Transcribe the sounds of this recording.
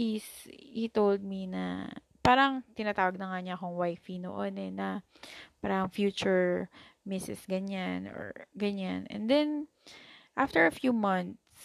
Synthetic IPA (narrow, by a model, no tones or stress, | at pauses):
ishit̪old̪̚minɐ̰ | paːɾɐŋt̪ɪnat̪aːwɐɡ̚nɐŋaɲɐɐko̞ŋwajfino̰ʔonɛnɐ | paːɾɐɐŋfjuːt͡ʃʊɹmɪsɛsɡɐɲano̰ɹɡɐɲanʔɛ̰nd̪ɛn | ʔaft̪ɛɹɐfjuːmɐnt̪s